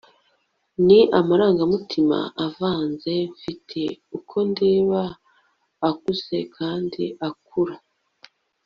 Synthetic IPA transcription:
niʔamaɾaːŋɡamutʰima̰ʔavaːnze̞ɱfitʰe̞ukʰo̞ndeːβaː | kuze̞kʰaːndiʔak̚uɾa

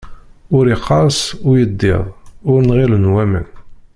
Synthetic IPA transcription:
ʊɾiqʰːɑsʊjəd̪ːḛðˤʊɾnʁilənwæmə̰n

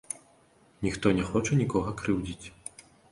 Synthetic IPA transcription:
nʲixt̪ɔnʲɛxɔt͡ʂɐnʲikɔɣɐkɾɨwd͡zʲit͡sʲ

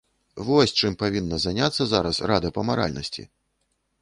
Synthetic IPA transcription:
vɔsʲt͡ʂɨmpavʲinːɐzanʲat̪sːɐzaɾɐsrad̪ɐpɐmaɾa̰lʲnɐsʲt͡sʲḭ

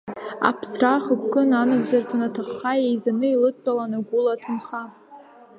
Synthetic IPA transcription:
a̰pʰsraχəpʰkʼɨnanɨvzart͡sʰʼanatʰaχːajejzanɨilɨtʰːʼalanaɡʷʊlatʰɨnχa

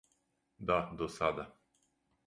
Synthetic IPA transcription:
d̪ad̪osad̪a

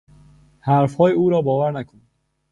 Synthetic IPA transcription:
hæɾfhɒːjeuːɾɒːbɒːvæɾnækʰon

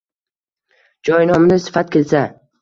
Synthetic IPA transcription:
d͡ʒɒjnɒmnɪsɪ̥fat̪̚kʲe̞lsa

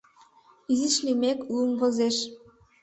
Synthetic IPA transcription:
iziʃlimeklumvŏzeʃ

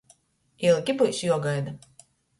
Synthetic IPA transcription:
iɛlˠkʲipujsjuɔɡajd̪a

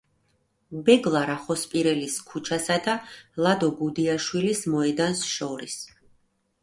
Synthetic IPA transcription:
bɛɡlˠaɾaχɔspʼiɾɛliskʰut͡ʃʰasad̪alˠad̪ɔɡud̪iaʃwilismɔɛd̪ansʃɔɾis

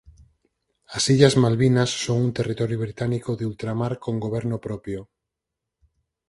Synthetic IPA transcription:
asiʎazmalβinasːoŋunt̪erit̪ɔɾjoβɾit̪anikoðeult̪ɾamaɾkõŋɡoβ̞eɾnopɾɔpjo

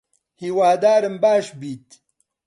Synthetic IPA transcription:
hiwaːd̪aːɾɐmbaːʃbiːt̪

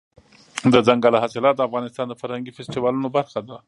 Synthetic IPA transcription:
d̪əd͡zaŋɡalaɦɑsɪlɑt̪̚d̪əafɣɑnɪst̪ɑnd̪əfaɾhaŋɡifɛstɪwɑlunobaɾxad̪a

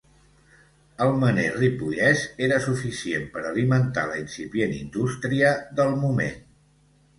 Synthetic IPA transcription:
əlˠməneripujɛseɾəsufisiempəɾəlimənt̪a̰ləinsipjenḭnd̪ust̪ɾiəðəlˠmumḛn

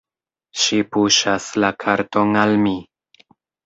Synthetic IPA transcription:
ʃipuʃaslakʰaɾto̞ŋalmi

